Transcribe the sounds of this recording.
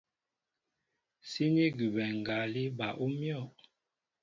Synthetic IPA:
si˦ni˦ɡʉ˨bɛ˨ŋ˨ɡa˨˦li˦ba˨ʔu˦mjɔ˦˨

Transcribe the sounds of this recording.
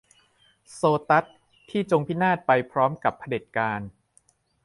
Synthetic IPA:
soː˧t̪a˦˥t̪ʰː | iː˥˩t͡ɕo˧ŋpʰi˦˥naː˥˩t̪̚pa˧jpʰɾɔː˦˥mka˨˩pʰːa˧de˨˩t̪̚kaː˧n

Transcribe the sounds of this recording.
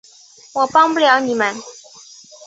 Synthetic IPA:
wɔ˨˩pɑ˥ŋpu˥˨ljɑ˧˥ʊni˨˩mə˦n

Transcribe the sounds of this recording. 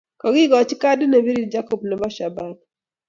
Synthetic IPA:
kɔ˨ɡi˦ɡɔ˨t͡ʃi˦ka˦dnɛ˨bi˦ɾi˨d͡ʒa˦ko˦˨bnɛ˨ba˦ʃa˨ba˦d

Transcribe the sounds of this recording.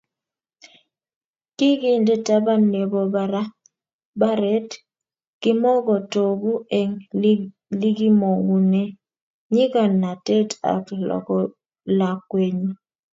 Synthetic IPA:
kɪ˦ɡi˦ndɛ˦ta˦ba˦ne˨bɔ˦ba˦ɾa˦ | ba˦ɾɛ˦t | kɪ˦mɔ˦ɡɔ˨to˨bu˦ɛ˨ŋ | li˦ɡi˦mo˨ŋɡu˨ne˦ | ɲi˦ka˨nːa˨tɛ˦ta̰˨klɔ̰˨kɔ˦ | la˨kwe˦ɲu˦

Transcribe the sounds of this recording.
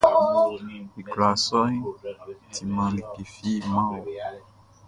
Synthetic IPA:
i˨ɡla˨sɔ˦ĩ˦tʰi˧mã˨˦lĩ˨ke˨fi˦˨mã˦o˨

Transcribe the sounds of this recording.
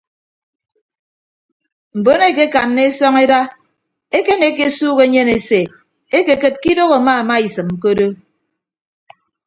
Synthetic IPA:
m̩˨bo˦ne˦˨ke˦ka˨nːe˦e˦sɔ˦ŋe˦da˦ | e˦ke˦ne˨˦ke˦suː˦ɣe˦ɲe˦ne˨se˨ | e˦ke˨kɨ˨t̚ki˦do˦ɣo˨a˨ma˦a˨ma˦i˨sɨ˨m̩˨k̬o˦do˦

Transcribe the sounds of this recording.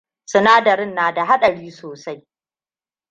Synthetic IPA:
sʊ˦naː˦dɐ˨ɾɪ˦nːaː˨da˨ɦa˦ɗɐ˨ɽiː˦soː˨sa˦j

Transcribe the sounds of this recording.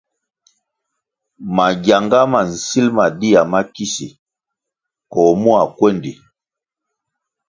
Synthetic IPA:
ma˨ɡja˨ŋɡa˦ma˨n̩˨si˦lma˨di˦ja˨ma˦ki˦sḭ˨ | kɔ˨mu˦a˨kwɛ˦ndi˨

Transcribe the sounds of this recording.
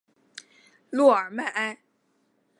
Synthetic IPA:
lu˥˩ə˞˨˩ma˥˩ʔa˥n

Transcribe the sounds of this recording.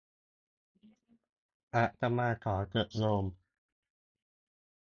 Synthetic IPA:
ʔa˨˧˩ʔt̪a˧maː˧t̪ʰɔː˩˦kɤ˨˩t̪̚loː˧m

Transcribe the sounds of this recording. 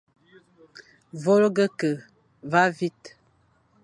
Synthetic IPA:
vo˦lɡə˦kə˨ | va˦vi˦t

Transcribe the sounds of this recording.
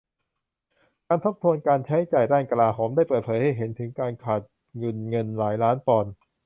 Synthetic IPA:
kaː˧nt̪ʰo˦˥p̚t̪ʰu˧ənkaː˧nt͡ɕʰa˦˥jt͡ɕaː˨˩jɾaː˥˩ŋka˧laː˧ɦoː˧mdaː˥˩jpɤː˨˩t̪̚pʰɤː˩˦jha˥˩jɦe˩˦nt̪ʰɯ˩˦ŋkaː˧nkʰaː˨˩t̪̚ | ŋɯ˧nŋɤ˧nlaː˩˦jlaː˦˥npɔː˨˩n

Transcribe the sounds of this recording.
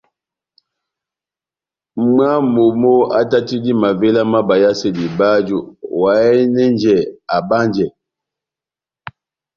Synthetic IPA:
m˦a˦mo˨mo˦a̰˦ta˦ti˦di˦ma˨ve˦la˦ma˦ba˨ja˦se˦˨di˨ba˦d͡ʒu˦˨wa˨ɛ˦nɛ˦nd͡ʒɛ˨a˨ba˦nd͡ʒɛ˨

